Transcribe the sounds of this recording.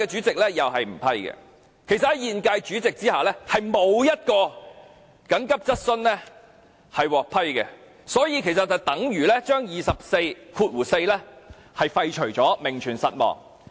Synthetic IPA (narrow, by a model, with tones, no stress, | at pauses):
ɛː˧t͡ʃyː˨˥t͡sɪ˨k̚lɛː˥jɐ˨wɦɐ˨jm̩˨˩pʰɐ˥jɡɛ̰˧ | kʰe˨˩jsɐ˨t̚hɐ˨˥jiː˨nkaː˧jt͡ʃyː˨˥t͡sɪ˨k̚t͡siː˥haː˨lɛː˥hɐ˨jmo˨˧wjɐ˥t̚kɔː˧ | kɐ˨˥ŋkɐ˥p̚t͡sɐ˥t̚sɵ˥nlɛ˥ | hɐ˨jwɔː˨˩k̚pʰɐ˥jkɛ˧ | sɔː˨˥jiː˨˧kʰe˨˩sɐ˨t̚ːɐ˨t̪ɐ˨˥ŋjyː˨˩lɛː˥t͡ʃœː˥ŋjiː˨˩sɐ˨p̚se˧jkʰuː˧t̚wuː˨˩se˧jlɛ˥ | hɐ˨jfɐ˧jt͡ʃʰɵ˨˩ɥt͡ʃɔː˨˥mɪ˨˩ŋt͡ʃʰyː˨˩nsɐ˨t̚mɔ̰ː˨ŋ